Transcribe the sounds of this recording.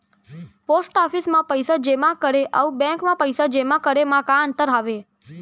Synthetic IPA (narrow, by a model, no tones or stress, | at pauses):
posʈɔfismãpəjsad͡ʒemãkəɾeʔəũbɛ̃ŋkmãpəjsad͡ʒemãkəɾemãkãənt̪əɾɦaʋe